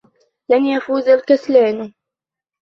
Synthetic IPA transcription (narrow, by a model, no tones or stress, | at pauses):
lanjafuːzalkaslaːn